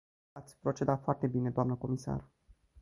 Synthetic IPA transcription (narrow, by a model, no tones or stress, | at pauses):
at̪sʲpɾo̞t͡ʃe̞d̪at̪foart̪e̞bine̞d̪oamnəko̞misa̰r